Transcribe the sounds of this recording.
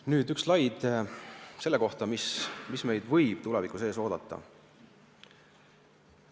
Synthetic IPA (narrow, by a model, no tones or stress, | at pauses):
nyːd̪ykslɑjd̪̥ | se̞lːe̞ko̞ht̪ɑmismisme̞jd̪̥vɤjb̥t̪ulɛvikuse̞ːso̞ːd̪̥ɑt̪ːˑɑ̰